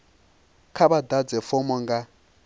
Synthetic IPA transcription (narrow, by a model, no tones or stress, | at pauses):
kʰaβad̪ad͡zɛfɔmɔŋɡa